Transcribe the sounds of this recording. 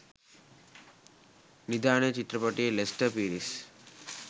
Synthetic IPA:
nid̪aːɳet͡ʃit̪ɾɐpɐʈilesʈɐpiːɾis

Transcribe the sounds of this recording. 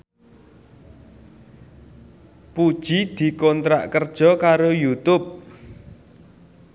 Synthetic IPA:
pud̥ʒ̥id̪̥i̤kont̪ɾa̰ʔkərd̥ʒ̥ɔ̤kaɾojut̪ʊp̚

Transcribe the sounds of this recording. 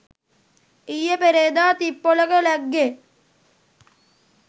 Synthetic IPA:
ijəpeɾeːd̪aːt̪ipːoləkəlæɡːe

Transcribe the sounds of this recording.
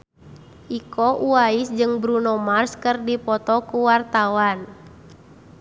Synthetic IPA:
ʔikɔʔuaisd͡ʒɨŋbɾunɔmarskɨrdipɔt̪ɔkuwart̪awan

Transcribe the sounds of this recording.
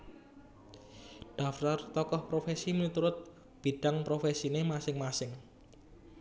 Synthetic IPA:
ɖ̥a̤ft̪art̪ɔkɔhpɾofesimit̪uɾʊt̪̚ | b̥i̤ɖ̥a̤ŋpɾofesinemasɪŋmasɪŋ

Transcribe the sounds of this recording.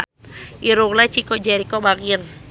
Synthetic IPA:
iɾuŋlat͡ʃikɔd͡ʒɛɾikɔbaɡir

